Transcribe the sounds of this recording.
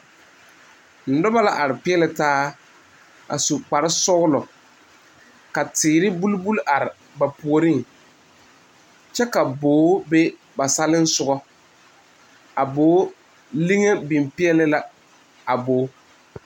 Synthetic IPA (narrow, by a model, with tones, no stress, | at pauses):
n̩˨dɔ˦ba˦la˦ʔa˨ɾɪ˨pɪ˦ɛ˦lɪ˨taː˦ | a̰˨su˨k͡pa˨ɾɪ˦sʊ˦ɣlɔ˨ | ka˨tɪː˨ɾɪ˦bu˦lbu˦lʔa˨ɾɪ˨ | ba˨pu˨o˨ɾi˦ŋ | t͡ʃɛ˦ka˨boː˨˦be˦ | ba˨sa˦lɪ˦n̩˦sʊ˨ɡɔ˦ | a˨boː˨˦ | li˦ŋe˦bi˨mpɪ˦ɛ˦lɪ˦la˨ | a˨boː˦